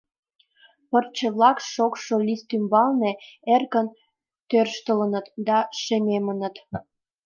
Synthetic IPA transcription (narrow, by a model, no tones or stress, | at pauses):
pərt͡ɕəβlɑkʃokʃolist̪ymbɑlneerkən | t̪ørʃt̪ələnət̪d̪ɑʃemʲemə̆nə̆t̪